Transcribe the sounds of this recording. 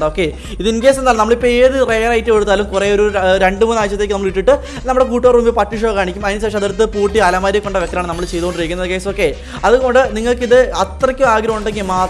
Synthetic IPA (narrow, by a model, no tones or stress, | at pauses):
ɖoːkːe̞ | iðinke̞ːsenaːlumnɐmːɐɭepeːðɨrejɐrɐjtːɨeɽut̪ːaːlumkure̞ːo̞ɾuɾe̞ɳɖɨmuːnːaːjit͡ɕːɐt̪ːeːkːɨnɐmːɐɭiʈːiʈːɨ | nɐmuɨɽe̞k̬uːʈːoːruːmbipɐʈːiʂ̬oːɣaːɳikʲːumɐðinɨs̬eːʂɐmɐðɐɾt̪ːɨpuːʈːiaːlaːmaːɾjɐkːo̞ɳɖɐʋekːɐlaːɳɨnɐmːɐɭt͡ɕe̞jt̪uɣoɳɖɨreːkːunːɐðɨkeːso̞ːkːe̞ː | ɐðuɣo̞ɳɖɨniŋːɐɭkiðɨɐt̪rɐkʲːumaːɡɾɐmuɳɖeŋɡilmaːt